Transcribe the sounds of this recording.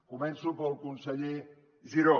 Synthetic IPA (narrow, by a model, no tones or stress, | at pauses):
kumɛnsupəlˠkunseʎe | ziɾo